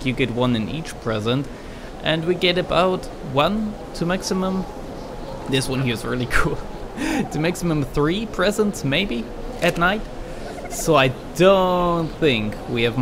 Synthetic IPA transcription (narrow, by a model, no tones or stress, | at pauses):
kjɨɡɛt̚wʌ̃nɨ̃nḭt͡ʃpʰɹ̥ɛzə̃nt | ʔɨ̃nwiɡɛɾɨbaʊt | wʌ̃n | tʰɨmæksɨmə̃m | ðɪswʌ̃nhiɨzɹɪ̰lˠikʰulˠ | tʰɨmæksɨmə̃mθɹipʰɹ̥ɛzə̃ntsmeɪbi | ʔɨtⁿnaɪt | soʊaɪ | d̥õʊnθɪ̃ŋk | wiɨv